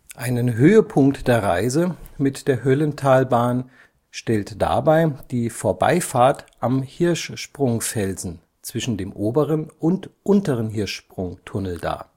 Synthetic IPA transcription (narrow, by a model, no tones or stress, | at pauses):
ʔaɪnənɦøːəpʰʊŋktd̥eːɐʁaɪzəmɪtd̥eːɐɦœləntʰaːlbaːn | ʃtɛltd̥a̰ːbaɪd̥iːfoːɐba̰ɪfaːɐtʔamhɪɐʃʃpʁ̥ʊŋfɛlzn̩ | t͡sv̥ɪʃn̩deːmʔoːbəʁənʔʊntʔʊntəʁənɦɪɐʃpʁ̥ʊŋtʰʊnl̩da̰ːɐ